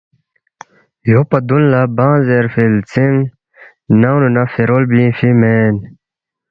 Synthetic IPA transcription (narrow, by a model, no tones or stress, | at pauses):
jopad̪unlabãːzeɾfilt͡siŋɡ | nawnunafeɾolbĩfimen